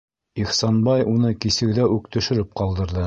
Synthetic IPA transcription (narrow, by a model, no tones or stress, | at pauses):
iχsɑnbɑjunɤkisɘ̆ɡðæʉkt̪ɵ̆ʃɘ̆ɾɘp̚qɑlˠd̪ɤ̆ɾðɤ